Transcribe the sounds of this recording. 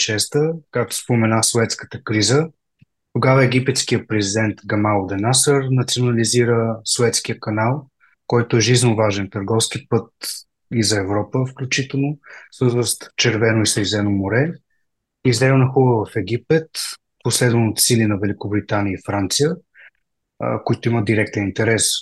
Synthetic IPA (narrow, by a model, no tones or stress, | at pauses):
ʃɛst̪əkak̚t̪o̥spomɛnasovɛt̪skə̥t̪əkɾizə | t̪oɡavəɛɡipɛt̪skijəpɾɛzid̪ɛnt̪ɡɐmalˠd̪ɛnasəɾnɐt̪sionɐliziɾəsovɛt̪sk̟ijəkɐnalˠ | kɔjt̪oɛʒiznovaʒɛnt̪əɾɡɔfsk̟ipɤt̪̚ | izɐɛvɾɔpəfklʲut͡ʃit̪ɛlˠnosɤt̪vəst̪t͡ʃɛɾvɛnoislɛzɛnomoɾɛ | izd̪ɛmnɐxubəvɐfɛɡ̟ipɛt̪ | poslɛd̪vənot̪silinɐvɛlʲikʊbɾit̪anijəifɾant̪sijə | koit̪ʊiməd̪iɾɛk̚t̪ɛnint̪ɛɾɛs